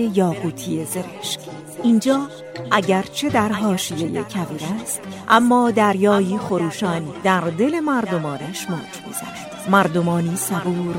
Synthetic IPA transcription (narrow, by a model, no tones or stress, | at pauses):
ejɒːɣuːt̪ʰieze̞ɾeʃk | ʔind͡ʒɒː | ʔæɟæɾt͡ʃʰe̞d̪æɾɦɒːʃije̞jḛcʰæviːɾæst̪ʔæmːɒːd̪æɾjɒːjiːxoɾuːʃɒːnd̪æɾd̪e̞le̞mæɾd̪o̞mɒːneʃmɒ̰ːd͡ʒbḭz̥æ̰ʃd̪̥mæɾd̪omɒːniːsævuːɾ